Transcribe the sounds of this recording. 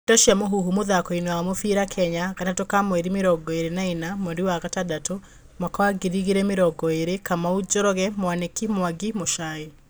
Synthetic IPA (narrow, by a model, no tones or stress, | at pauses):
dɔʃiamoɦuɦumoðakɔinɛwamofiɾakʰɛɲaɣatatokamwɛɾimeɾɔɡɔeɾenainamɛndiwaɣatadato | makwaɡiɾiɣiɾɛmeɾɔɡɔeɾekamaud͡ʒoɾɔɣɛmwanekimwaɡimoʃae